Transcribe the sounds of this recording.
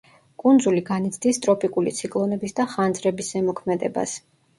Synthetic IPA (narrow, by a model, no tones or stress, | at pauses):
kʼund̪zuliɡanit̪sʰd̪ist̪ʼɾɔpʼikʼulḭt̪sʰikʼlˠɔnɛbisd̪aχand̪zɾɛbisɛmɔkʰmɛd̪ɛ̰ba̰s